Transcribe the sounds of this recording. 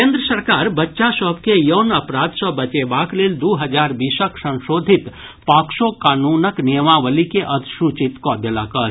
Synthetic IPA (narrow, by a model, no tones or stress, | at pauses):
kẽːnd̪ɾəsəɾkaːɾbɐtːʃasɔb̚kejɐʋnɐpɾaːd̪sɔbɐt͡ʃebaːkleːld̪uːɦɐd͡ʒaːɾbisəksɐ̃nʃoːd̪ʱɪt̪ | paːkʃokaːnuːnəknijəmaʋəlikeʔɐt̪ʃut͡ʃɪt̪kɔːd̪elakɐɾ